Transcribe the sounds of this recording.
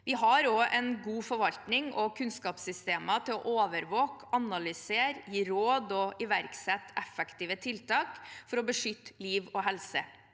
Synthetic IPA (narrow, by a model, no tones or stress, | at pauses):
ʋɪɦɑɾoːʔɛnɡuːfɔɾʋɑlt̪nɪŋɔkʰʉnskɑːpsʏst̪eːmɑt̪ʰɪlɔ̰ʔoːʋəɾʋoːkɑnɑlʏseːɾjiːɾoːd̪ɔʔɪʋæɾksɛt̪ːɛfɛkt̪iːʋət̪ʰɪlt̪ʰɑːkfɔɾɔbəʂʏt̪ːliːʋɔɦɛlsə